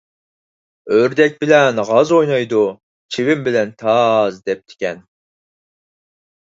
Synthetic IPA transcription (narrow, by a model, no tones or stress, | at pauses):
øɾd̪ɛk̚ʲbɪlɛnʁɑzojnɑjd̪u | t͡ʃʰiwɪmbɪlɛnt̪ʰɑzd̪ɛp̚t̪ʰɪ̥kʲɛn